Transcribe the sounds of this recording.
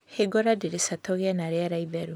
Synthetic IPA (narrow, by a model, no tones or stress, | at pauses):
heɡɔɾadeɾesatʰɔɣeanaɾeaɾaivɛɾu